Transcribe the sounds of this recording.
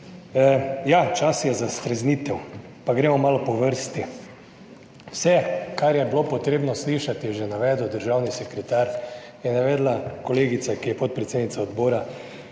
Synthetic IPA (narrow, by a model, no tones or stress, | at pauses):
jat͡ʃasjɛzast̪ɾɛzniːt̪ɛw | paɡɾeːmɔmaːlɔpɔʋəɾst̪i | wsɛkaɾjɛblopɔt̪ɾeːbnɔsliʃat̪jɛʒɛnaʋɛːd̪əwd̪əɾʒawnisɛkɾɛt̪aɾ | jɛnaʋɛːd̪lakoleːɡit̪sakijɛpot̪̚pɾɛt̪seːd̪nit̪saod̪boːɾa